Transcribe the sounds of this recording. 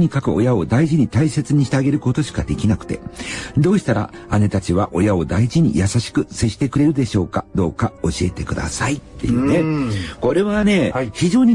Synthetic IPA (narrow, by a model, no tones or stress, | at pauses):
ɲ̟ikakɯ̟o̞̰jao̞d̪aiʑiɲ̟it̪aise̞t͡sɨɲ̟iɕi̥t̪eaɡe̞ɾɯ̟ko̞t̪o̞ɕi̥kad̪e̞kʲinakɯ̟̥t̪e̞̰d̪o̞ːɕi̥t̪aɾa̰ane̞t̪at͡ɕiβ̞aʔo̞jao̞d̪aiʑiɲ̟ḭjasaɕi̥kɯ̟se̞ɕi̥t̪e̞kɯ̟ɾe̞ɾɯd̪e̞ɕo̞ːkad̪̥o̞ːkao̞ɕie̞t̪e̞kɯ̟d̪a̰sait̪ːe̞̰jɯ̟ːneko̞ɾe̞βane̞çiʑo̞ːɲ̟i